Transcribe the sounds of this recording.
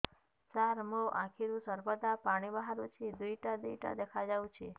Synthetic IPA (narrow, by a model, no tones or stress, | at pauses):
t͡ʃaɾmoʔãkʰiɾũsəɾbəd̪apaɽ̃ibaɦaɾot͡ʃʰed̪uiʈad̪uiʈa̰d̪ekʰad͡ʒaʋũt͡ʃʰe